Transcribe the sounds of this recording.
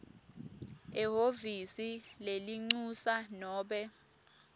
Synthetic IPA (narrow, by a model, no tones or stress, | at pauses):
ɛɦovisileliŋ͡ǀusanɔːɓɛ